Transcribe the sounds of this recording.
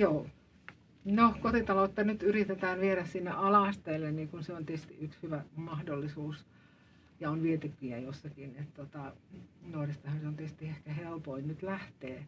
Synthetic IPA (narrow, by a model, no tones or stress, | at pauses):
joː | nohkot̪it̪ɑloˑt̪ːɑnyt̪yrit̪et̪æːʋʋieɾæssinːeʔɑlɑˑst̪eːlːenniːkunseont̪iest̪ḭʔykshyʋæmɑhdolːisuːs | jɑonʋiet̪ypːiæjosːɑkinet̪t̪ot̪ɑnoːrest̪ɑhɑnseont̪est̪iehkæhelpoinnyt̪læht̪eː